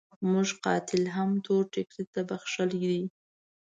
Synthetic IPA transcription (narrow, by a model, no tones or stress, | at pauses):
muʒqɑ̰t̪ɪlɦamt̪oɾʈɪkɾit̪abaxʃald̪i